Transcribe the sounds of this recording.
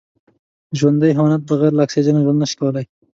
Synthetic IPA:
ʒwand̪ajɦawanat̪̚baɣajɾlaksed͡ʒanaʒwand̪nəʃi̥kawəlaj

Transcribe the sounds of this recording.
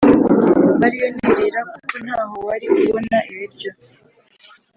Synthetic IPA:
βaɾijoneɾeɾaku̥kunaːhowaɾikuβonaʔeβiɾjo

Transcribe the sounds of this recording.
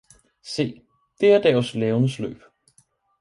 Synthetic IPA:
se̝̰ː | d̥e̝æɐd̥ɛːslɛːʊnəslø̰ːb̥

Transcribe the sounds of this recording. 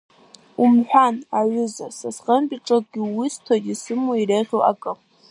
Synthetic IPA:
umħʷᶣanaʕʷʊzasasqʼəmpʼiʈ͡ʂʼak̚ʼɡʲɪwistʰodisɨmuireʁʲoʔa̰kʼɨ

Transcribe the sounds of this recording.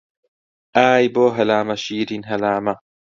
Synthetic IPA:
ʔaːjboːɦɐlaːmɐʃiːɾinɦɐlaːmɐ

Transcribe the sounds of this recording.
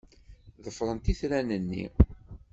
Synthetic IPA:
ðəfɾˤənt̪iθɾænənːḭ

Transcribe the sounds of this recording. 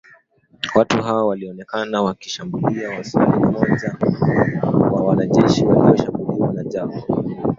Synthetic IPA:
watuɦawɔwaliɔnɛkanawakiʃambuliawasalimmɔʄa | wawanaʄɛʃiwaliɔʃambuliwanaʄakɔ

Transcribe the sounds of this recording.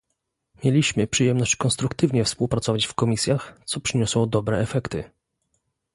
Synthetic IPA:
mʲjelʲiɕmɘpʂɘjɛmnɔɕt͡ɕkɔnst̪ɾukt̪ɘvɲɛfspuwpɾat̪sɔvat͡ɕfkɔmʲisʲjaxt̪sɔpʂɘɲɔswɔd̪ɔbɾɛɛfɛkt̪ɘ

